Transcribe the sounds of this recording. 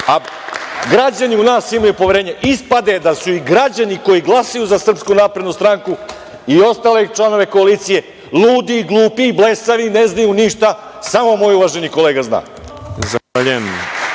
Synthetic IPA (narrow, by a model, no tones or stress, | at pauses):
aɡɾad͡ʑaniunaːsimajupoʋe̞ɾeːɲeʔispad̪e̞d̪asuiɡɾad͡ʑaniko̞jiɡlˠasajuzasr̩pskunaːpɾed̪nust̪ɾaŋku | io̞st̪aːle̞t͡ʃlˠano̞ʋe̞koaliːt̪sije̞ | luːd̪iːɡlˠuːpiːble̞saʋineznajuniʃt̪a | samomo̞juʋaʒenikole̞ːɡazna̰ː | zaaʎem